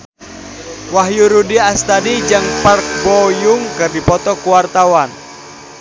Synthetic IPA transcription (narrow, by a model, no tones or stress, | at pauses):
waɦjuɾudiast̪adid͡ʒaŋpark̚bɔjuŋkɨrdipɔt̪ɔkuwart̪awan